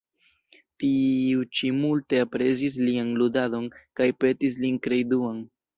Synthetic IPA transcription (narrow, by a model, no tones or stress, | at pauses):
tiut͡ʃimulte̞apɾe̞zis̬lianludado̞nkajpe̞tis̬linkɾe̞jduan